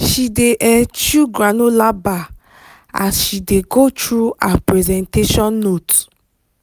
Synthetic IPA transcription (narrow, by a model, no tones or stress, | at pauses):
ʃideʔɛt͡ʃuɡɾanolaba | a̰sʃideɡotɾuapɹɛzɛ̃nteʃɔ̃nːot